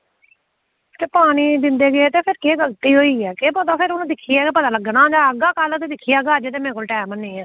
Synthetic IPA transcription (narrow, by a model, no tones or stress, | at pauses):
t͡ʃepaːniːd̪ɪnd̪eːɡeeːt̪eːpʰɪɾkeːɡəlt̪iːɦoːiːɛːkeːpot̪aːpʰɪɾʊnũːd̪ɪkʰːiːaːkepət̪ãːləɡənãːd͡ʒaːəɡaːkəlt̪eːd̪ɪkʰːijaːɡaːd͡ʒeːt̪eːmẽːkolʈɛːməniːɛː